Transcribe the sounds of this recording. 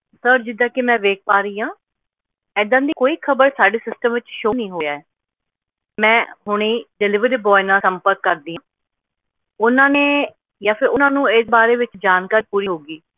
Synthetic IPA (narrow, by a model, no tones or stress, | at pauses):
səɾd͡ʒɪd̪ãːkemɛ̃ːʋeːk̚paːɾiːãː | ɛːd̪ãːd̪iːkoːiːkʰəbəɾsaːɖeːsɪsʈəmʋɪt͡ʃʃoːnĩːɦoːjaːɛː | mɛ̃ːɦʊɳ̃eːɖɪlɪʋəɾiːbɔːɪnãːsəmpəɾkːəɾd̪iːɦãː | ʊnãːneː | jãːpʰɪɾʊnãːnũːɪsbaːɾeːʋɪt͡ʃd͡ʒaːnkaːɾiːpuːɾiːɦoːɡiː